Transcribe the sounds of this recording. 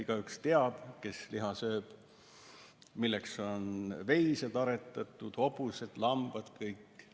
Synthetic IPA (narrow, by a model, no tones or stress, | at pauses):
iɡ̥ɑykst̪e̞ɑd̪̥ke̞sliɦɑsø̞ːb̥ | milːekso̞nve̞jsed̪ɑɾet̪ːˑɑt̪ːˑud̪̥o̞buse̞d̪̥lɑmb̥ɑd̪̥kɤjkːˑ